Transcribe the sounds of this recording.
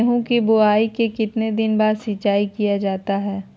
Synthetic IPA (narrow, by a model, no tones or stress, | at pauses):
ɦũkibʊaːikekɪt̪ned̪ɪnbaːɾsɪːt͡ʃaːikijad͡ʒaːt̪aɦɛː